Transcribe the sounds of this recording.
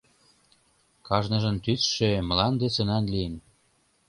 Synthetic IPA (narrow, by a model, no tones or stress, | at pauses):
kɑʒnɤ̆ʒə̆nt̪yt͡sʃeməlɑnd̪esə̆nɑnliən